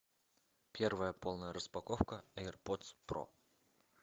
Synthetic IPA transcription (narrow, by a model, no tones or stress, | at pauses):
pʲervəjəpolˠnəjəɾəspɐkofkəɛɛrpot̪spro̰